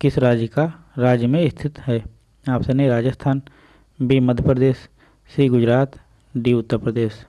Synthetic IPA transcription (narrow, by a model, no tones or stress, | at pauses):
kɪsɾaːd͡ʒjəka | ɾaːd͡ʒjəmẽɪst̪ʰɪt̪ɦɛː | aːpsenɦiɾaːd͡ʒəst̪ʰaːn | biməd̪ʱjəpɾəd̪eːsː | iːɡʊd͡ʒɾaːt̪ | ɖiːʊt̪ːəɾpɾəd̪eːʃ